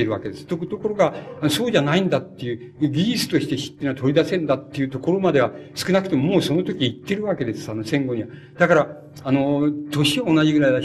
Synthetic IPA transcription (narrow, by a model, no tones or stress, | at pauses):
eɾɯβake̞d̪esɨ̥t̪okɯt̪o̞ko̞ɾo̞ɡaanoso̞ːʑanaĩnd̪at̪ːe̞jɯ̟ | ɡʲiɾʲisɨ̥t̪o̞ɕi̥t̪e̞çi̥t̪ːenat̪o̞ɾʲid̪asẽ̞nd̪at̪ːe̞jɯ̟t̪o̞ko̞ɾo̞mad̪e̞βasɨ̥kɯ̟nakɯ̟t̪e̞momoːso̞not̪o̞kʲiːt̪ːe̞ɾɯ̟βake̞d̪e̞sɨ̥ano̞sẽ̞ŋɡo̞ɲ̟iβa | d̪̥akaɾa | ano̞t̪o̞ɕiβaonaʑiɡɯ̟ɾaida